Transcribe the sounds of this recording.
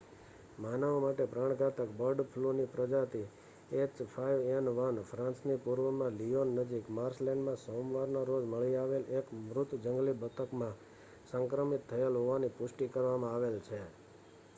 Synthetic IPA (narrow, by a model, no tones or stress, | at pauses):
manaomaʈepɾaɽ̃ɡʱat̪əkbəɾɖpʰlunipɾəd͡ʒat̪ʰi | et͡ʃpʰaiʋenʋənpʰɾãnsnipuɾʋəmãlijonːəd͡ʒikmaɾslɛ̃ɳɖmãsõmʋaɾnoɾod͡ʒməɭiaʋelekmɾʊt̪d͡ʒəŋɡlibət̪ʰəkmã | səŋkɾəmit̪ʰːəjelɦoʋanipʊsʈikəɾʋamãaʋelt͡ʃʰe